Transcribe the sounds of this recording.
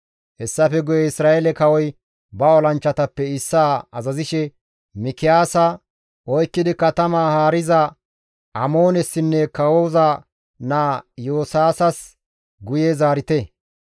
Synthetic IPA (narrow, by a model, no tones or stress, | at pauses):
hɛsːɐfɛɡʊjɛɪsɾaːʔɛlɛkɐwɔj | bɐɔlɐnt͡ʃːɐt̪ɐpːɛɪsːaːɐzɐzɪʃɛ | mɪkɪjaːsɐ | ʔɔjkːɪd̪ɪkɐt̪ɐmaːhaːɾɪzɐ | ʔɐmoːnɛsːɪnːɛkɐwoːzɐ | naːjoːsaːsɐs | ɡʊjɛzaːɾɪt̪ɛ